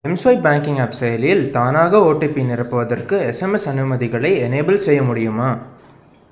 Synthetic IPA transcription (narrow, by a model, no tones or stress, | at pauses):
ɛmsʋɐɪbaːŋkɪŋɐpsɐjɐljɪlt̪aːnaːɣɐoːʈːepːinɪrɐpːɯʋɐðɐrkɯɛsɛmɛsɐnɯmɐðɪɣɐɭɐɪɛneɪbɐlsɛjːɐmʊɽɪjɯmaː